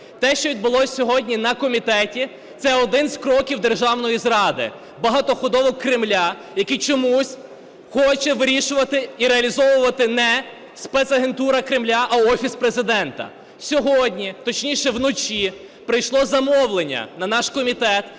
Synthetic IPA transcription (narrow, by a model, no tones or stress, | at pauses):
t̪ɛʃt͡ʃɔʋʲid̪̚bʊlˠɔsʲsʲːɔɦɔdʲnʲinɐkɔmʲit̪ɛtʲi | t̪sɛɔd̪ɪnzʲkɾɔkʲiwd̪e̞rʒɑwnɔjizɾɑd̪ɪ̰ | bɐɦɑt̪ɔxʊd̪ɔʋɔkkːɾɪmlʲa | jɐkijt͡ʃɔmusʲ | xɔt͡ʃɛʋɪɾʲiʃʊʋɐt̪ɪiɾeɐlʲizɔʋʊʋɐt̪ɪnɛ | spɛt̪sɐɦe̞nt̪uɾɐkɾɪmlʲaʔɐɔfʲispɾezɪd̪ɛnt̪ɐ̰ | sʲɔɦɔdʲnʲit̪ɔt͡ʃnʲiʃɛwnɔt͡ʃʲi | pɾɪjʃlˠɔzɐmɔwlˠenʲːɐ̰nɐnɑʃkɔmʲit̪ɛt̪